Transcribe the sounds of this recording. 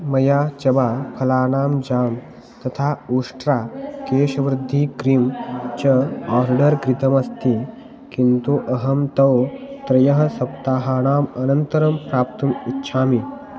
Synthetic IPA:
mɐjat͡ɕɐbapʰɐlaːɽ̃aːmd͡ʑaːm | t̪ɐt̪ʰauʂʈɾakeːɕʋɾɪd̪ʱːikɾimt͡ɕɐɔɾɖəɾɡɾit̪əmɐst̪i | kint̪uʔɐɦɐmt̪ɐwt̪ɾɐjəɦsɐpt̪aːɦaɽ̃aːmɐnənt̪əɾəmpɾaːpt̪umitːɕʰami

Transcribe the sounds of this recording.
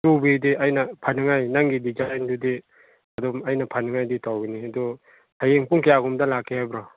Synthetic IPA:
tubidiʔajnɐpʰanɯŋajnaŋɡidizajndudi | ɐdɔmɐjnɐpʰanɯŋajditawɡiniɐdɔ | hajeŋpuŋkijaɡumdɐlakʰːihajbɾɔ

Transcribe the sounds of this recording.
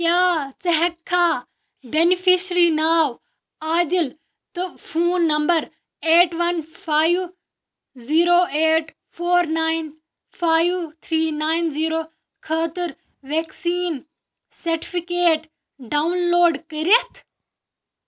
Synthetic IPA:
kjaːt͡sɐɦɛkʰːãː | benifʰiʃɾiːnaːʋ | aːd̪ɪl | t̪ɐfʰuːnːɐmbəɾ | eːʈʋɐnfʰaːiʋ | ziːɾoːeːʈ | fʰoːɾnaːɪn | fʰaːiʋt̪ʰɾiːnaːinziːɾoː | kʰaːt̪ɪɾ | ʋeksiːn | sɐɾʈi̥fikeːʈ | ɖaunloːɖkɐɾiet̪ʰ

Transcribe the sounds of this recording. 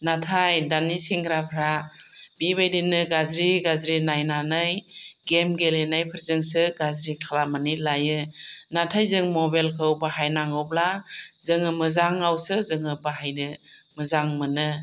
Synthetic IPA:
natʰajdanisiŋɡɾapʰɾabiβajdinːɯɡazɾiɡazɾinajnanɯjɡemɡelenajpʰɯɾzɯŋsɯɡazɾikʰalamɯnilajɯnatʰajzɯŋmɔbelkʰɯwbaɦajnaŋɯwblazɯŋɯmɯzaŋawsɯzɯŋɯbaɦajnɯmɯzaŋmɯnɯ

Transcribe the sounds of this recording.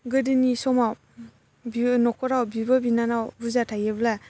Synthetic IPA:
ɡɯdɯnisɔma | binɔkʰɔɾawbibabinanawbuzatʰajebla

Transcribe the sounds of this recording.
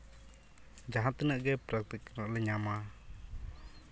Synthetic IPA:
d͡ʒaɦat̪ənəʔɡɛpɾak̚t̪iknəʔləɲama

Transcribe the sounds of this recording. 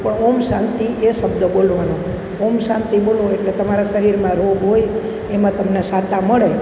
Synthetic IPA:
pəɳomʃãnt̪iʔeʃəbd̪əbolʋano | omʃãnt̪iboloeʈlet̪əmaɾaʃəɾiɾmãɾoɡɦoj | emãt̪əmnesat̪aməɭe

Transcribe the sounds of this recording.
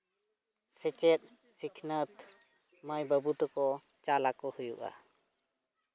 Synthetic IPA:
sɛt͡ʃɛt̪̚ˀ | sikʰnət̪ | məjbəbut̪ɔkɔ | t͡ʃalakɔhujṵʔa̰

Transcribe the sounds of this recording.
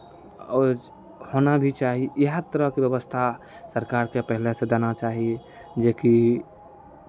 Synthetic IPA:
ɔ | honabʱit͡ʃaːɦiəɦt̪əɾəɦkebjəbəst̪ʰa | səɾkaɾkepəɦlesed̪anat͡ʃaːɦi | d͡ʒeːki

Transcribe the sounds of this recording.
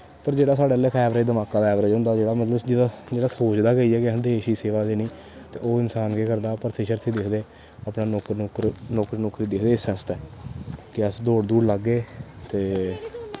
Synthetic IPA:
pəɾd͡ʒeːɽaːsaːɽeːlːeːkʰɛːʋɾeːd̪əmaːkãːd̪aɛːʋɾeːd͡ʒʊ̃ːnd̪aːd͡ʒeːɽaːmət̪ləbd͡ʒɪd̪ad͡ʒeːɽaːsoːt͡ʃd̪aːɡəiːɛːkɪnd̪eːʃiːseːʋaːd̪eːnĩː | t̪ḛːʔoːɪnsaːnkeːkəɾd̪aːpəɾsʰeʃəɾsʰiːd̪ɪkʰd̪eː | aːpnaːokːkɾnoːkɾnoːkɾiːd̪ɪkʰd̪eːsəst̪ɛːkɪəsd̪oːɽd̪uːɾləɡːeːt̪eː

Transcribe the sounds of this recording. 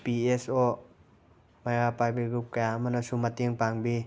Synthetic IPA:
piesɔ | majɡapajbiɡɾup̚kajaəmʌnʌsumateŋpaŋbi

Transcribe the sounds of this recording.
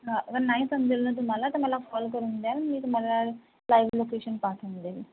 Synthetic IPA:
ɦãːʔkəɾnaːĩːsəmd͡ʒəlũːt̪̬ʊmãːlaːt̪əmɛ̃ːlaːpʰɔːlk̬əɾʊ̃nd̪aːnamĩːt̪ʊmãːlaː | laːiʋloːkeːʃənpaːʈʰːnd̪eːʋiː

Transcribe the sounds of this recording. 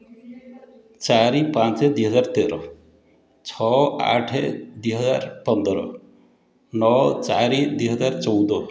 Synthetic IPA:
t͡ʃaɾipãnt͡ʃɛd̪iɦɔd͡ʒaɾt̪eɾɔ | t͡ʃʰɔa̰ʈʰɛd̪uɦɔd͡ʒaɾpɔnd̪ɔɾɔ̰ | nɔt͡ʃaɾid̪uɦɔd͡ʒaɾt͡ʃɔwd̪ɔ

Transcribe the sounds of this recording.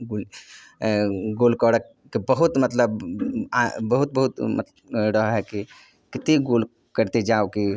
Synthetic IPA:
ɡol | ɡolkəɽək | kibəɦut̪mət̪ləb | bəɦut̪̚bəɦut̪mə̰t̪ | ɾəɦɦɛki | kɪt̪iɡol | kəɾt̪ed͡ʒaoki

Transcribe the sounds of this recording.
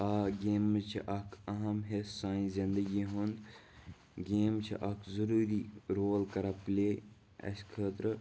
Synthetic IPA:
aːɡeːmət͡ʃʰiʔɐkʰɐɦɐmɦesːaːĩzind̪əɡiɦund̪ | ɡeːmt͡ʃʰḭʔɐkʰzuɾuːɾiːɾoːlkɐɾɐpleː | ɐ̰skʰəːt̪ɾ

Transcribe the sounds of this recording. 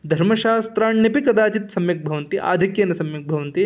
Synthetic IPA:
d̪ʱɐɾmɐʃaːst̪ɾaːɳnɐpikɐd̪aːt͡ʃit̪sɐmjɐk̚bʱɐʋɐnt̪iʔa̰ːd̪ʱikjɐːnɐsɐmjɐk̚bʱɐʋɐnt̪i

